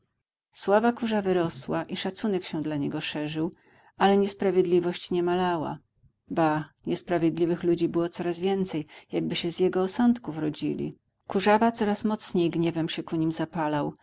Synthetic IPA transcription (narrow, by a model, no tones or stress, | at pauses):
swavakuʐavɘɾɔswaʔiʂat̪sunɛkɕɛ̃d̪laɲɛɡɔʂɛʐɘw | alɛɲɛspɾavʲjed̪lʲivɔɕt͡ɕɲɛmalawa̰ | baɲɛspɾavʲjed̪lʲivɘxlud͡ʑibɘwɔt̪sɔɾazvʲjɛnt̪sɛjjaɡ̚bɘɕɛzjɛɡɔːsɔnt̪kuvɾɔd͡ʑilʲḭ | kuʐavat̪sɔɾasmɔt̪sɲejɡɲɛvɛmɕɛkuɲimzapalaw